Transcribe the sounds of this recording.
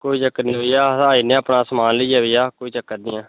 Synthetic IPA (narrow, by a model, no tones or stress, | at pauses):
koːiːt͡ʃəkːəniːɦoːijaːaːiːnẽːaːpnaːsəmaːnləiːjaːʋiːjaːkoːiːt͡ʃəkːəd̪ɪjãː